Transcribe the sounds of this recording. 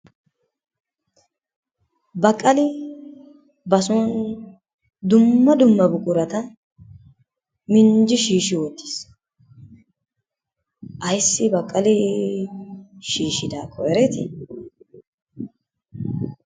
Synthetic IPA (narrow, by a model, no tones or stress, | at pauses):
bɐkʼːɐlɪ | bɐsɔn | d̪ʊmːɐd̪ʊmːɐbʊkʼʊɾɐt̪ɐ | mɪnd͡ʒɪʃiːʃɪwɔt̪ːi̥s | ʔɐjsːɪbɐkʼːɐlɪ | ʃiːʃɪd̪aːkʰːɔɛɾɛt̪ɪ̰